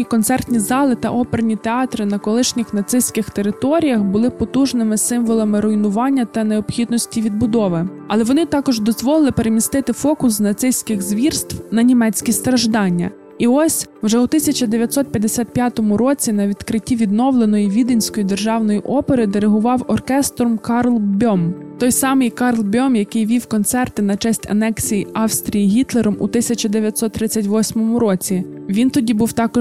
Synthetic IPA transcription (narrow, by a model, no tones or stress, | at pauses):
ikɔnt̪sɛrt̪nʲizɑlˠɪt̪ɐ̰ʔɔpernʲit̪eɑt̪ɾɪnɐkɔlˠɪʃnʲɪxnɐt̪sɪsʲkɪxt̪e̞ɾɪt̪ɔɾʲijɐxbʊlˠɪpɔt̪uʒnɪmɪsɪmʋɔlˠɐmɪɾɔjnʊʋɑnʲːɐt̪ɐneɔbxʲid̪nɔsʲtʲiʋʲid̪̚bʊd̪ɔʋɪ | ɐlˠɛʋɔnɪt̪ɑkɔʒd̪ɔzʋɔlˠɪlˠɪpeɾemʲist̪ɪt̪ɪfɔkʊsnɐt̪sɪsʲkɪxzʋʲirst̪wnɐnʲimɛt͡sʲkʲist̪ɾɐʒd̪ɑnʲːɐ̰ | iɔsʲ | wʒɛut̪ɪsʲɐt͡ʃɐd̪eʋʲjɐt̪sɔt̪̚pʲjɐd̪esʲat̪̚pjat̪ɔmʊɾɔt͡sʲinɐʋʲid̪kɾɪtʲːiʋʲid̪̚nɔwlˠenɔjiʋʲid̪enʲsʲkɔjid̪e̞rʒɑwnɔjiʔɔpeɾɪd̪eɾeɦʊʋɑwɔrkɛst̪ɾɔmkɑrlˠbʲɔmt̪ɔjsɑmɪjkɑrlˠbʲɔmjɐkɪjʋʲiwkɔnt̪sɛrt̪ɪnɐt͡ʃɛsʲtʲɐ̰nɛksʲijiɑwst̪ɾʲijiɦʲit̪lˠeɾɔmṵt̪ɪsʲɐt͡ʃɐd̪eʋjɐt̪ʲsɔt̪ːɾɪt͡sʲːɐtʲʋɔsʲmɔmʊɾɔt͡sʲiʋʲint̪ɔdʲibuwt̪ɑkɔ